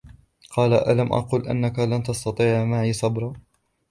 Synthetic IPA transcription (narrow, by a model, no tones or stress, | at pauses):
qɑːlaʔalamʔɑ̰quːlʔa̰nːakalant̪ɑst̪ɑt̪ˤiːʕmaːʕisɑbɾˤɑ